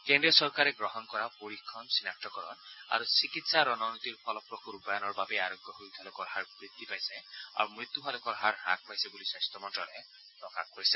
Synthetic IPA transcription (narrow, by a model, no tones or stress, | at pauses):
kendɾiɔsɔɹkaɾɛɡɾɔɦɔnkɔɾapoɾikʰːɔnsinak̚ʈɔkɔɾɔna̰ɾusikit̪saɾɔnɔnɔt̪iɹpʰɔlɔpɾɔkuɾupɔjanɔɹbabeaɾɔɡʱjɔɦojt̪ʰalukɔɾhaɹbɹid̪ːipajsɛ̃a̰ɾumɾit̪ːuɦalukɔɾɦaɹɦa̰k̚pajsɛbulisastɔmɔnʈɾɔɾɛ | ɾɔka̰kɦoisɛ̃